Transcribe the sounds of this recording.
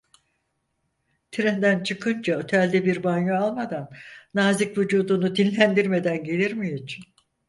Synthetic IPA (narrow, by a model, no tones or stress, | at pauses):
t̪ʰiɾɛnd̪ænt͡ʃʰɯkʰɯnd͡ʒaøt̪ʰælʲd̪ɛbiɾbanjaalˠmad̪anːaːzikvud͡ʒuːd̪unud̪inːʲænd̪iɾme̞d̪ænɟe̞lʲiɾmijit͡ʃʰi̥n